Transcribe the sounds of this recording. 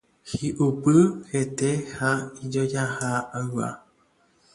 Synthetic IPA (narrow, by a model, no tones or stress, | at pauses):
hiʔupɨhet̪ehaid͡ʒod͡ʒahaaɨwa̰